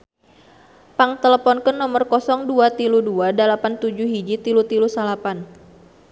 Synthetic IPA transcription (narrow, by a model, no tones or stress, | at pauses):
paŋt̪ələpɔnkənːɔmərkɔsɔŋduat̪iluduadalapant̪ud͡ʒuɦid͡ʒit̪ilut̪ilusalapan